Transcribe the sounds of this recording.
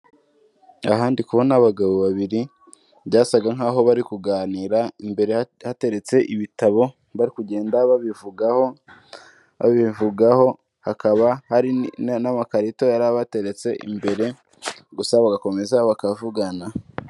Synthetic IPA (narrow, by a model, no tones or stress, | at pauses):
aɦaːndikuβo̞naβaɡaβoβaβiɾi | bɟaːsaɡaŋ̥ɦaːɦo̞βaɾikuɡaːniːɾaimbe̞ɾehate̞ɾe̞t͡se̞ʔiβitaβo̞ | βaɾikuɟe̞ːndaβaβivuɡho | a̰βivuɡaho̞ | hakaβahaɾinnamakaɾito̞jaɾaβate̞ɾet͡se̞ʔḭmbe̞ɾe̞ | ɡusaβaɡako̞me̞zaβakavuɡana